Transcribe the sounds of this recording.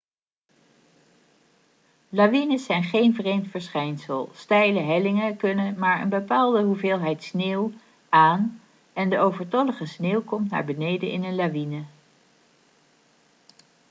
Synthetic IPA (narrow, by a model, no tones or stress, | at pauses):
laʋinəsɛjnχejnvrejmtfəɹsχɛjnsəlˠstɛjləɦɛlɪŋəkɵnəmaːɹə̰nbəpaːlˠdəɦuveːlˠɦɛjtsneːw | aːn | ɛndəʔowvəɹtɔləχəsneːwkɔmtna̰ːɹbənejdənɪ̰nənlaʋinə